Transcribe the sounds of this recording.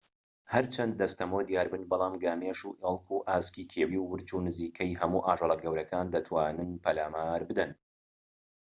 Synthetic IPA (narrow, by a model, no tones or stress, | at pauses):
hɐɾt͡ʃʰɐnd̪̚ːɐst̪ʰɐmod̪jaːɾbɨnbɑlˠɑːmɡaːmeʃuʔeːlˠkʰuːʔaːskiːkʰeːwiːwːɨɾt͡ʃuːnɨziːkʰɛjɦɐmuːʔaːʒɑlˠɐɡɐwɾɐkaːnd̪ɐt̪ʰwaːnɨnpʰɐlaːmaːɾbɨd̪ɐn